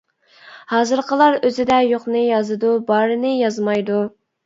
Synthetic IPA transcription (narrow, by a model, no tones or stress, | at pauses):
hɑːzɨɾqʰəlˠɑɾøzɪd̪ɛjoqnɨjɑzɨd̪ubɑːɾɨnɨjɑzmɑjd̪u